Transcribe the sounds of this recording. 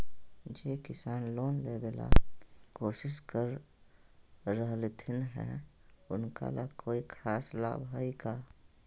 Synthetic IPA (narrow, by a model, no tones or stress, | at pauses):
d͡ʒeːkɪsaːnloːnlebela̰koːʃɪskəɾ | əɦlet̪ʰɪnɦɛ̰̃ʊnka̰lʔa̰koːikʰaːsla̰ːbɦəikaː